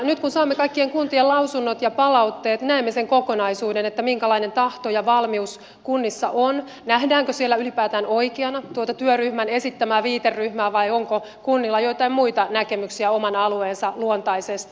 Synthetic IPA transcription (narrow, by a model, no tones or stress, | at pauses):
nyt̪kunsɑːmːekɑikːieŋkunt̪ielɑusunːot̪jɑpɑlɑut̪ːeːt̪næemːeseŋkokonɑisuːdenet̪ːæmiŋkælɑine̞nt̪ɑht̪ojɑʋɑlmius | kunːisːɑ̰ʔon | næhdæːŋkøsielːæylipæːt̪æːnoikeɑnɑt̪uot̪ɑt̪yøryhmæne̞sit̪ːæmæːʋiːt̪erːyhmæːʋɑioŋko | kunːilːɑjoit̪ɑimmuit̪ɑnækemyksiæomɑnɑlueːnsɑluont̪ɑisest̪